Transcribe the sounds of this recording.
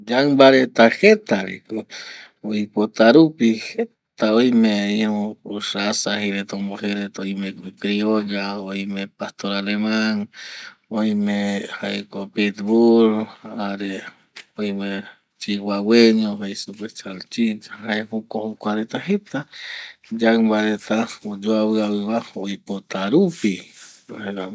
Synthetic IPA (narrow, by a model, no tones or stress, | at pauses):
d͡ʒaŋbaɾet̪ahet̪aɾḭku | oipot̪aɾupihe | t̪aojmeihuuʂasahiɾet̪omoheɾet̪ojmekkɾioʎaojmepast̪oɾalemaŋ | ojmehaekopit̪βuɾaɾe | ojme | t͡ʃiwaweɲoɦasupwest͡ʃalt͡ʃit͡ʃaɦaehukohukʷaɾet̪aɦet̪a | d͡ʒabaɾet̪aod͡ʒoaβɨaβɨβaoipot̪aɾupihea